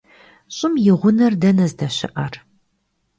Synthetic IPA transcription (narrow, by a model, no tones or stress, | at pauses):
ɕʼɪmjɪʁʷʊnɐrdɐnɐzdɐɕɪ̰ʔɐr